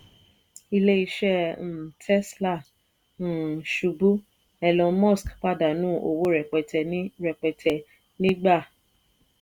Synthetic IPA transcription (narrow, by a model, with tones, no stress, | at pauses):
i˧le˦i˧ʃɛ̃˦˨tʰɛ˦sla˦˨ | ʃu˨˧bu˦ | ɛ˧lɔ̃˧mɔ̃˦˨skk͡pa˦˨da˨nũː˨˦o˧wo˦ɾɛ˨k͡pɛ˨tʰɛ˧nĩ˦ɾɛ˨k͡pɛ˧tʰɛ˧ | nĩ˦ɡ͡ba˦˨